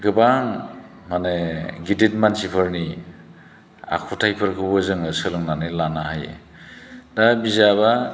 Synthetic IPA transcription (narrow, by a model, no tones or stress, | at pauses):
ɡɯbaŋ | maneɡidit̚mansipʰɯɾni | a̰kʰutʰajpʰɯɾkʰɯbɯzɯŋɯsɯlɯŋnanɯlanaɦajḛ | dabizaβa